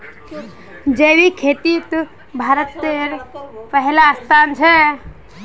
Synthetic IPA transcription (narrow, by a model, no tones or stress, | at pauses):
d͡ʒewikʰeːt̪it̪ | bʱaːɾət̪ːeɾpəɦɛlaːst̪ʰaːnt͡ʃʰɛ